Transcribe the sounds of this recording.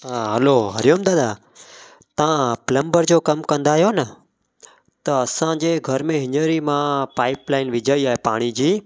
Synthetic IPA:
aɦəloːɦəɾjoːmd̪aːd̪aː | t̪əãːpɪlə̃mbəɾd͡ʒoːkəmkə̃nd̪aːɦjoːnə | t̪əəsãːd͡ʒeːɡʱəɾmẽːɦɪɲəɾiːmãːpaːɪplaːɪnʋɪd͡ʒəiaːɦepa̰ːɽ̃iːd͡ʑiː

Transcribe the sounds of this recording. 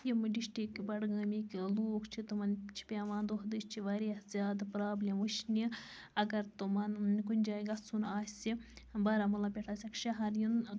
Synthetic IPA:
jimɨɖiʃʈikbɐɽɡaːmikiloːkʰt͡ʃʰit̪umɐnt͡ʃʰi̥pʲaːʋaːnd̪oɦd̪ɨst͡ʃʰiʋaɾihzʲjaːd̪pɾaːblʲimuʃnʲi | ɐɡɐɾt̪umɐnkunʲd͡ʒaːjɡɐt͡sʰːunaːsʲsibɐɾamɐlɐpʲeʈʰaːsʲɐkʃɐɦɐɾjun

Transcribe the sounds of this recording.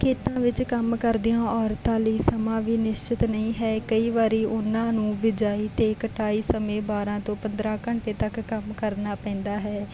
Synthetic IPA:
kʰeːt̪ãːʋɪt͡ʃkəmkəɾd̪ɪjãːɔːɾt̪ãːləiːsəmãːʋiːnɪʃt͡ʃɪt̪nəĩːɦɛːkəiːʋaːɾiːʔʊnãːnũːbɪd͡ʒaːiːt̪eːkəʈʰaːiːsəmẽːbaːɾãːt̪õːpənd̪ɾãːkəɳʈeːt̪əkːəmkəɾnaːpɛ̃ːnd̪aːɦɛː

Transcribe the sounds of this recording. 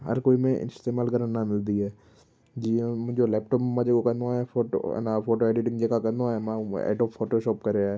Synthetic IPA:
ɦɐ̰ɾkoːimẽʔɪ̰st̪eːmaːlkɐɾənnːamɪld̪iɦɛː | d͡ʒĩːd͡ʒolɛːpʈɔːpmãd͡ʒekokɐnaɛfoːʈo̰nafoːʈoɛːɖɪʈɪ̃ŋɡd͡ʒeːkakɐnaɛmãɛ̰ːʈɔːpʰːoːʈoʃɔːpkɐɾeaɦɛ

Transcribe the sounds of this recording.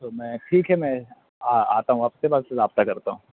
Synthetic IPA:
t̪oːmɛ̃ːʈʰiːkɦɛmɛ̃ | aa̰ːt̪aɦũaːpsebaːzseɾaːb̚t̪akɐɾt̪aɦũː

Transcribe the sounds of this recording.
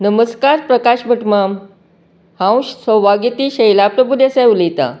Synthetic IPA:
nəməskaɾpɾəkaɕbʱəʈmam | hãwɕsəʋaɡit̪iːɕəjlapɾəbʱud̪esewlijt̪a̰

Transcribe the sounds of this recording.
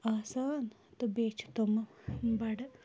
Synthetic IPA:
aːsaːn | t̪ɨbeːt͡ʃʰt̪omɐbɐɽɐ

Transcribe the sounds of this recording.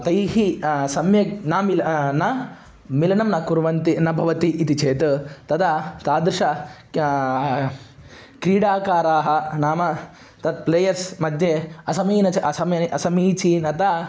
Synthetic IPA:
t̪ɐjɦisɐmjɐnaːmilɐnɐ | milɐnɐmnɐkuɾʋɐnt̪inɐbʱɐʋɐt̪iʔːt̪it͡ʃeːt̪ɐt̪ɐd̪ɐt̪aːd̪ɾɪʂɐ | kɾiːɽaːkaːɾaːɦɐnaːmɐ | t̪ɐt̪̚pleːjɐɾsmɐd̪ʱjɐɐsɐmiːnɐt͡ʃɐɐsɐmɐʔɐsɐmiːt͡ʃinɐt̪a

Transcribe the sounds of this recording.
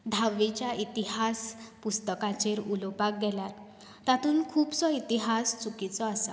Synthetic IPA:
d̪ʱaʋːit͡ɕjaʔit̪iɦaspust̪əkãt͡ɕeɾulopak̚ɡʱɛlaɾ | t̪at̪ʰuːnkʰuːbt͡sɔit̪iɦast͡sukit͡sɔasa

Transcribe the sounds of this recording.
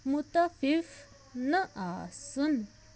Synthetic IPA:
mut̪afif | nəʔasən

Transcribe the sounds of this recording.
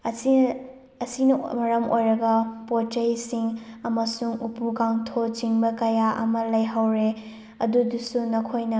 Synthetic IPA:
ɐsinɐmɐɾɐmojɾɐɡɐpot͡ʃɐjsiŋɐmɐsuŋupukaŋtʰot͡ʃiŋbɐkɐjaʔɐ̰mɐlɐjɦawɾe | ɐdudusunɐkʰojnɐ

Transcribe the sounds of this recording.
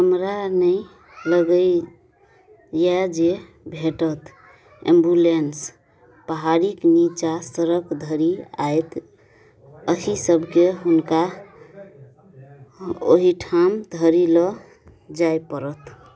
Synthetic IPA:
kəmɾanəɪ | ləɡəj | jad͡ʒe | bʱeʈət̪ | ḛ̃mbulens | pəɦaɾiknit͡ʃasəɾəkd̪ʱəɾia̰et̪ | əɦisəbʱkeɦunka | o̰ɦiʈʰamd̪ʱəɾilɔ | d͡ʒajpəɾət̪

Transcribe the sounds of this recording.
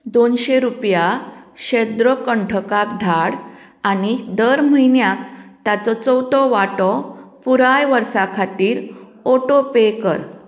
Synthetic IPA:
d̪onɕeɾupjaɕed̪ɾɔkəɳʈʰəkakd̪ʱaɽ | anid̪əɾməɦinjakt̪at͡sɔt͡sɔwt̪ɔʋaʈɔpuɾajʋəɾsakʰat̪iːɾ | oʈopekəɾ

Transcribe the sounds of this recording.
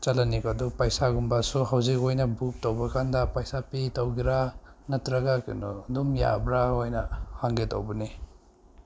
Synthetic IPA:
t͡ʃɐlanikadupajsaɡumbasuɦawzikojnɐbuk̚towbɐkandɐpajsapitawɡiɾanɐtɾɐɡakḭnɔdumja̰bɾaojnɐhaŋɡeto̰wbɐni

